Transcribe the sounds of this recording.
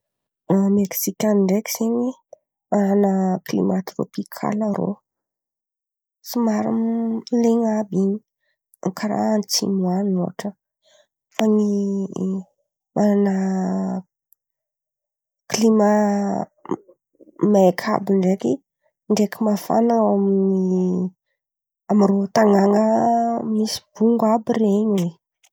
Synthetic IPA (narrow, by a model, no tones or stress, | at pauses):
ameksikʲanɳɖ͡ʐeki̥z̥eɲwe | mananəklḭmat̪ɾo̰pikʰa̰laɾo̰ | simaɾṵnleŋabiɲi | aŋkʰaɾa̰nt͡sʰḭmuanoʈ͡ʂə | faŋi | mʔananə | klima | maekʰa̰biɳɖ͡ʐeki | ɳɖ͡ʐekimafa̰naŋawamini | amirot̪aŋaŋəmisi̥b̥uŋɡabireɲe